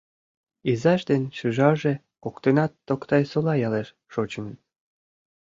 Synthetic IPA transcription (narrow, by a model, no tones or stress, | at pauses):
izɑʃd̪ent͡ɕuʒɑʒe | kokt̪enɑt̪ːokt̪ɑjsolɑjɑleʃ | ʃot͡ɕmən